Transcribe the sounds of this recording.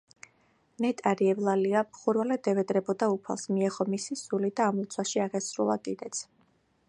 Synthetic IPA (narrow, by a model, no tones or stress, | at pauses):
nɛt̪ʼaɾiɛvlˠaliamχuɾvalɛd̪ɛvɛd̪ɾɛbɔd̪aupʰa̰lˠsmiɛχɔmisisulid̪aːmlut̪sʰwaʃiaʁɛsɾulˠa̰kʼid̪ɛt̪sʰ